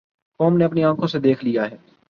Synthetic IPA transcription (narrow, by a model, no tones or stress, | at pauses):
kɔːmneɐpniãːkʰõsed̪eːkʰlijaɦɛː